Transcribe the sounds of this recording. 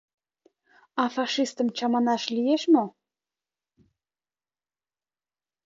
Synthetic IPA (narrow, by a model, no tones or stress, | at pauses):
ɑfɑʃist̪ə̆mt͡ɕɑmɑnɑʃlijeʃmo